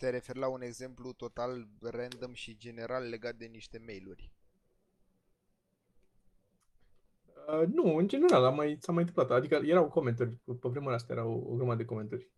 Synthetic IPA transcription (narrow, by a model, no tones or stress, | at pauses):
t̪e̞ɾe̞fe̞rlaune̞ɡze̞mplut̪o̞t̪alrɛnd̪əmʃid͡ʒe̞ne̞ɾalːe̞ɡat̪̚d̪e̞niʃt̪e̞me̞jlurʲ | ənuɨnd͡ʒeneɾalamːajsamajɨnt̪ɨmplat̪ad̪ikəje̞ɾawko̞ment̪urʲpəvɾeməlast̪ajeɾawo̰ɡɾumad̪e̞ko̞me̞nt̪urʲ